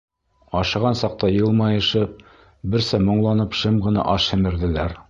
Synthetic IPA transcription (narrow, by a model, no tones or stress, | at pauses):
ɑʃɤ̆ʁɑnsɑq̚t̪ɑjɤ̆lˠmɑjɤ̆ʃɤp̚ | bɘ̆ɾsæmŏɴlˠɑnɤpʃɤmʁɤ̆nɑ̰ʔɑʃhɘ̆mɘ̆ɾðɘ̆læɾ